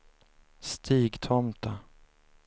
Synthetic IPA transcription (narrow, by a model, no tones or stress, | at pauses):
st̪ʰiːɡt̪ʰɔmt̪a